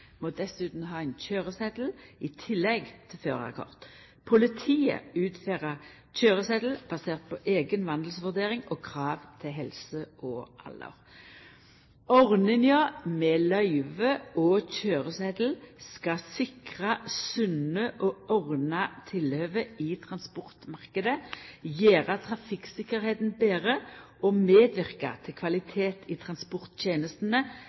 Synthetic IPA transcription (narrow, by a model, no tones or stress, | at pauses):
mod̪ɛsʉːt̪n̩ɦɑːɛɪnçøːʁəsɛd̪l̩ɪt̪ʰɪlːɛɡt̪ʰɪfø̰ːʁɑ̰ʁkʰɔ̰ʁt̪ | pʰʊlɪt̪ʰiːə̰ʉːt̪feːʁəʁ | c͡çøːʁəsɛd̪l̩b̥ɑseːʁt̪̚pʰɔʔeːɡənʋɑnd̪l̩sʋʉʁd̪eːʁɪŋɔkʰʁɑːʋt̪ʰɪlɦɛlsəʔɔʔɑ̰lə̰ʁ | ɔʁnɪŋjɑːmɛlœʏʋəoçøːʁəsɛd̪l̩skɑsɪkʁɑsʉnəʔɔʔɔʁnɑt̪ʰɪløːʋəɪt̪ʰʁɑnspɔʁt̪mɑʁkəd̪əjeːʁɑt̪ʰʁɑfɪksɪkːəʁheːt̪n̩beːʁə | ɔmeːd̪ʋɪʁkɑ̰t̪ʰɪlkʰʋɑlɪt̪ʰeːt̪ʰɪt̪ʰʁɑnspɔʁt̪tjeːnəst̪nə